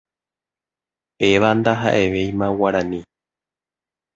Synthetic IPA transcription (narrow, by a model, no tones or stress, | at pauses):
eʋand̪aɦa̰ʔe̞ʋe̞jmãwaɾãnĩ